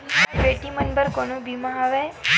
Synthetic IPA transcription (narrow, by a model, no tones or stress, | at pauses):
beʈimənbəɾkonũbimãɦaʋe